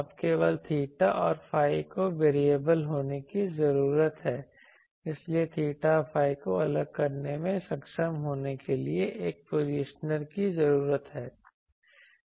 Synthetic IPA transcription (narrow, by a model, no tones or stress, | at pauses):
apkeʋəlt̪ʰiːʈaʔɔːɾfʰaːikoʋeːɾieːbəlɦoːnekizɐɾuːɾət̪ɦɛː | ɪsliet̪ʰiːʈafʰaːikoɐləɡ̚kɐɾnemẽsɐkʃəmɦoːnekelieʔeːk̚poɾiːʃnəɾkizɐɾuːɾət̪ɦɛː